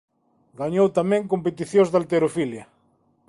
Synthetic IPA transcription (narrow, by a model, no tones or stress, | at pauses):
ɡaɲowt̪amɛ̃ŋkompet̪iθjõzðalt̪eɾofiljɐ